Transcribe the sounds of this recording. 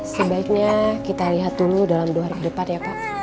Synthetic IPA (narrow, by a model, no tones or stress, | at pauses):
səbaik̚ɲakit̪aliɦat̪ːuludalamdoarkədəpanjapaʔ